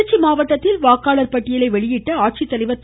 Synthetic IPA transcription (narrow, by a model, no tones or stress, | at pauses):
t͡ʃːimaːʋɐʈːɐt̪ːɪlʋaːkːaːɭɐɾpɐʈːɪjɐlɐɪʋɛɭɪjɪʈːɐaːʈ̚t͡ʃit̪ːɐlɐɪʋɐt̪ː